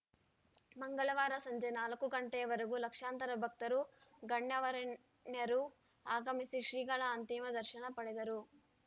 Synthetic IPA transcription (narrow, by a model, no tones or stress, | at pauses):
mɐŋɡɐɭɐʋaːɾɐsɐɲd͡ʒɐjnaːlɐkuɡɐɳʈeːʋɐɾɐɡulɐkʂaːnt̪ɐɾɐbʱɐk̚t̪ɐɾuɡɐɳjɐʋɐɾɐ | njɐɾu | aːɡɐmisiʃɾiːɡɐɭɐːnt̪imɐd̪ɐɾʃɐnɐpɐɽed̪ɐɾu